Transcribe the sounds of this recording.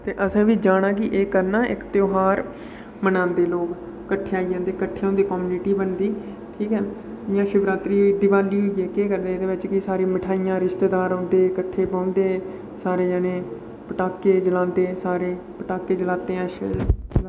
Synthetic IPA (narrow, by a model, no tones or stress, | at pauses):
t̪eːʔəsẽːʋiːd͡ʒaːɽ̃ãːk̬ɪʔeːkəɾnaːʔɪ̰kt̪joːɦaːɾ | mənãːnd̪eːloːk | kːəʈʰːeːaːid͡ʒãːnd̪eːkəʈʰːeːõːnd̪eːkoːmuːnɪʈiːbənd̪iː | ʈʰiːkɦɛː | jãːʃʊbɾaːt̪ɾiːd̪ɪʋaːliːɦoieːkeːkəɾd̪eːd̪eːʋɪt͡ʃkɪsaːɾeːmɪʈʰaːijãːɾɪʃt̪eːd̪aːɾõːnd̪eːkəʈʰːeːpãːnd̪eː | saːɾeːd͡ʒəːneː | pəʈaːkːeːd͡ʒəlãːnd̪eːsaːɾeː | pəʈaːkːeːd͡ʒəlaːt̪eːãːʃ